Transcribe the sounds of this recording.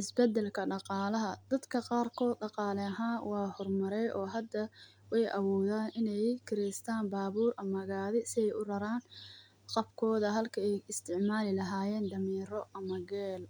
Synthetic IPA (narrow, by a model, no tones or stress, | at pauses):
ʔɪsbɛd̪ɛlkʰɐɖɑqɑːlɐɦɐd̪̥ɐd̪kʰɐqɑːrkʰɔːd̪ɖɑqɑːlɛɐɦaːnwɑːhɔrmɐɾɛjʔɔːɦɐd̪ɐ | wɑjʔɐwɔːðaːnʔɪnɛjkʰɪɾɛst̪ʰaːnbaːβuːrʔɐmɐɣaːðɪsɪɛjʊrɐɾaːn | qɑbkʰɔːðɐɦɐlkʰɐɛjɪst̪ʰɪʕmaːlɪlɐɦaːjɛːnd̪ɐmiːɾɔʔɐmɐɡɛːl